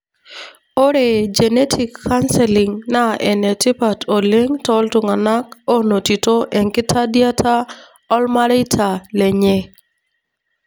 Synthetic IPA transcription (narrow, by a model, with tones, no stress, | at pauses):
o˦ɾe˨d͡ʒe˨ne˦tʰi˨kʰːa˦nsɛlɪ˨ŋna˦ʔɛ˨nɛ˨tɪ˦pa˨tʰo˨le˦ŋtɔ˦ltʊ˨ŋa˨na˦ko˦no˨ti˨to˦ʔɛ˨ŋkɪ˦tʰa˦dja˦tʰa˦ | ɔ˦lma˦ɾe˦tʰa˨le˨ɲe˦